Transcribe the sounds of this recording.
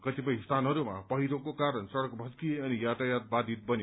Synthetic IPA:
kʌt̪ipʌjst̪ʰanɦʌɾumapʌɦiɾokokaɾʌnsʌɽʌkbʱʌskieʌnijaʈ̪ajat̪̚bad̪ʱit̪̚bʌne

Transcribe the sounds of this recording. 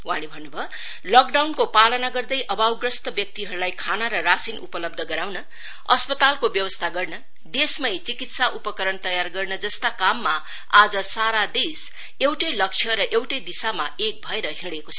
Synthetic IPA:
wanibʱʌnːubʱʌ | lʌk̚ɖawnkopalʌnaɡʌrd̪ʌjʔʌbawɡrʌst̪ʌbjʌk̚t̪iɦʌɾulajkʰanaɾʌrasinupʌlʌb̚d̪ʱʌɡʌɾawnʌ | ʌ̰spʌt̪alkobjʌwʌst̪ʰaɡʌrnʌ | d̪esmʌjt͡sikit̪saʔupʌkʌɾʌnt̪ʌjarɡʌrnʌd͡zʌst̪akamːa | ad͡zʌsaɾad̪es | ewʈʌjlʌkt͡ʃʰjʌɾʌʔewʈʌjd̪isamaek̚bʱʌeɾʌɦiɽekot͡sʰ

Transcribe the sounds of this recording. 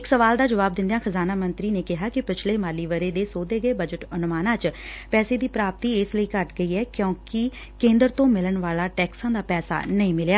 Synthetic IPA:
ɪksəʋaːld̪aːd͡ʒəʋaːb̚d̪ɪ̃nd̪jãːxʰəzaːnaːmənt̪ɾiːneːkɪɦaːkɪpɪt͡ʃʰleːmaːliːʋəɾeːd̪eːsoːd̪eːɡəeːbəd͡ʒəʈənʊmaːnãːt͡ʃpɛːseːd̪iːpɾaːp̚t̪iːɪsləiːkəʈɡəiːɛːkjõːkɪ | kẽːnd̪əɾt̪õːmɪlənʋaːlaːʈɛːksãːd̪aːpɛːsa̰ːnəĩːmɪljaː

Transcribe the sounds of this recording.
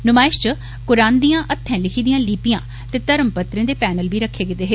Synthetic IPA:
nʊmaːɪʃt͡ʃə | kʊɾaːnd̪ijãːʔət̪ʰːɛ̃ːlɪkʰiːd̪ijãːliːpɪjãː | t̪eːt̪əɾəmpət̪ɾẽːd̪eːpɛːnəlbiːɾəkʰːeːɡɪt̪eːɦeː

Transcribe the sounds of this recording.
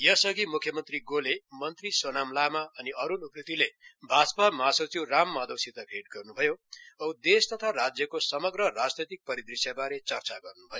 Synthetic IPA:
jʌsʌɡimukʰjʌmʌnt̪riɡolemʌnt̪risonamlamaʌniʌɾunuprit̪ilebʱad͡zpamasot͡siwramːad̪owsit̪aɡʱeʈ̚ɡʌrnubʱʌjoʌwd̪est̪ʌt̪ʰarad͡zjʌkosʌmʌɡrʌrad͡znʌjt̪ik̚pʌɾid̪risjabaɾet͡sʌrt͡saɡʌrnubʱʌjo

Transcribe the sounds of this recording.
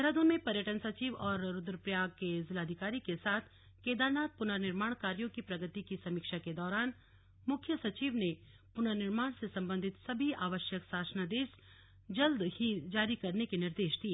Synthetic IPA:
ɛɾaːd̪õmẽpɐɾjəʈənsɐt͡ʃiːʋɔːɾːʊd̪ɾpɾjaːɡ̚kezɪlaːd̪ʱɪkaːɾikesaːt̪ʰ | keːd̪aːɾnaːt̪̚pʊnəɾnɪɾmaːɳ̃kaːɾjõkipɾɐɡət̪ikisɐmiːkʃaked̪ɔːɾaːn | mʊkʰjəsɐt͡ʃiːʋne | pʊnəɾnɪɾmaːɳ̃sesɐ̃mbənd̪ʱɪt̪sɐbʱiaːʋəʃjəksaːsənad̪eːʃ | d͡ʒɐld̪hid͡ʒaːɾikɐɾnekenɪɾd̪eːʃd̪ieː

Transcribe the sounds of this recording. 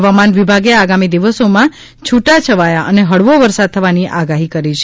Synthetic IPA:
ʋamanʋibʱaɡeaɡamid̪iʋəsomã | t͡ʃʰuʈat͡ʃʰəʋajaʔəneɦəɭʋoʋəɾsad̪̚t̪ʰəʋaniʔaɡaɦikəɾit͡ʃʰe

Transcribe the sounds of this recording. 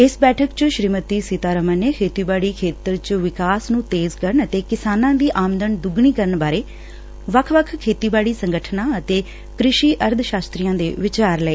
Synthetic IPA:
ɪsbɛːʈʰəkt͡ʃʃɾiːmət̪iːsit̪aːɾəməneːkʰeːt̪iːbaːɽiːkʰeːt̪əɾt͡ʃʋɪkaːsnũːt̪eːzkəɾəɳət̪eːkɪsaːnãːd̪iːʔaːmənd̪ənd̪ʊɡɳiːkəɾəɳbaːɾeː | ʋəkʰʋəkʰkʰeːt̪iːbaːɽiːsəŋɡəʈʰnãːət̪eː | kɾɪʃiːʔəɾd̪ʱʃaːst̪ɾiːjãːd̪ḛːʋɪt͡ʃaːɾləeː

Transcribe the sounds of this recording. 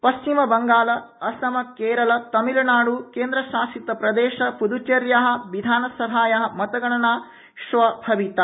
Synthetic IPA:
pɐst͡ʃimɐbɐŋɡaːlɐɐsɐmɐkeːɾɐlɐt̪ɐmilɐnaːɽukeːnd̪ɾɐʃaːsit̪ːɐpɾɐd̪eːʃɐpud̪ut͡ʃɐɾjɐɦɐ̆ʋid̪ʱaːnɐsɐɦaːjɐɦɐ̆mɐt̪ɐɡɐɳɐnaː | ʃʋɐbʱɐʋit̪ɐ

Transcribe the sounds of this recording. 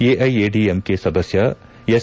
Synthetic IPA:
eːʔɐjeːɖiemkeːsɐd̪ɐsjɐ | es

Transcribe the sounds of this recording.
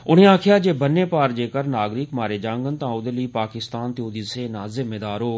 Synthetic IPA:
ʊn̤ẽːãːkʰɪjaːd͡ʒeːbənːeːpaːɾd͡ʒeːkəɾnaːɡɾɪkmaːɾeːd͡ʒãːŋɡənt̪ãːʊd̪əliːpaːkɪst̪aːnt̪ɪjoːd̪iseːnaːzɪmeːd̪aːɾoː

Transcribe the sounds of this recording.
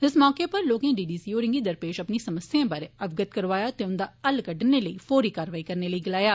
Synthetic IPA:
ɪsmɔːkeːpəɾloːkẽːɖiːɖiːsiːoːɾɪŋɡiːd̪əɾpeːʃəpniːsəməsːjãːbəɾeəbɡət̪kəɾʋaːjaːt̪eːʊnd̪aːəlkəɖneːləiːfʰoːɾiːkaːɾʋaːiːkəɾneːləiːɡɪlaːjaː

